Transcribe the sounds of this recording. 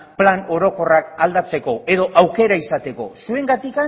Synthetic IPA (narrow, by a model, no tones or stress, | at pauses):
plano̞ɾo̞ko̞rakald̪at͡se̞ko̞e̞ðo̞ʔawke̞ɾaisat̪e̞ko̞̰sue̞ŋɡat̪ika